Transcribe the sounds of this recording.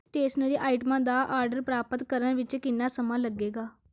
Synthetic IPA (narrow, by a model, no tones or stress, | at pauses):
ʈeːsʈnəɾiːʔaːɪʈəmãːd̪aːʔaːɾɖəɾpɾaːpət̪kəɾənʋɪt͡ʃkɪnːaːsəmãːləɡːeːɡaː